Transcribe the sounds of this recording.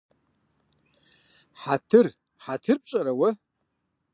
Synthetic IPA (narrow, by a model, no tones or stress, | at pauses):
ħatʰɨr | ħatʰɨrpʼɕʼɐɾɐwɐ